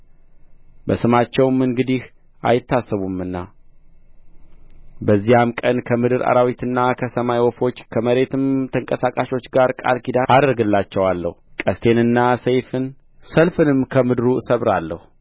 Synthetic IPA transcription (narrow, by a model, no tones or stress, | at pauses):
bəsɨmat͡ʃːɛwmɨŋɡɨd̪ih | a̰jɪt̪ːasːəβumɨnːa | bəzːijamkʼənkʰəmɨd̪ɨɾa̰ɾawit̪ɨnːakʰəsəmajwɔfo̞t͡ʃːkʰəməɾe̞t̪ɨmt̪ʰəŋkʼəsakʼaʃo̞t͡ʃːɡaɾkʼa̰lkid̪aʔad̪ɾɡɨlːat͡ʃːɛwalːə̰hukʼəst̪ʰe̞nɨnːasəjfɨn | səlfɨnɨmkʰəmɨd̪ɨɾusəβɾalːəhu